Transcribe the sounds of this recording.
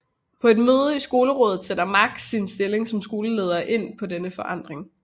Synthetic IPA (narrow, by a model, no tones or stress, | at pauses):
pʰɒ̽e̝d̥møːð̞ˠəisɡ̥o̝ːləʁɔ̽ːðð̩ˠsed̥ɐmɑ̈ɡ̥̚d̥sinsd̥e̝le̝ŋsɒ̽msɡ̥o̝ːləleːð̞ˠɐːʔe̝n̰pʰɒ̽denəfɒ̽ʔɑ̈n̰d̥ʁeŋ